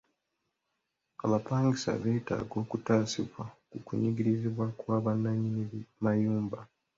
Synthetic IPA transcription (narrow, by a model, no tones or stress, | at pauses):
aβapaːŋɡisa̰βe̞ːta̰ːɡo̞ːkutaːsiβwakukuɲiɡiɾiziβwakwaːβanːaɲiniβimajuːmba